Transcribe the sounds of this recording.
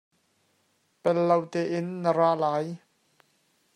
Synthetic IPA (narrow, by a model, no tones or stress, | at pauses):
pɛlːɐwt̪ɛːʔɪnːəɾaːlaːj